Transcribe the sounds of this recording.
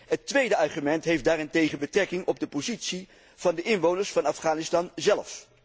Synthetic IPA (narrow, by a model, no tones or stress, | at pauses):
ɦətʋejdəɑrχymɛntɦejfdaːɾɪntejχənbətrɛkɪŋɔb̚dəpozitsi | v̥ɑndəʔɪnʋownəɹsfɑnɑfχaːnɪstɑnzɛlf